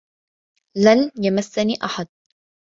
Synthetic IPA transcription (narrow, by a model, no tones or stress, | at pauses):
lanjamasːaniːʔaħad̪̚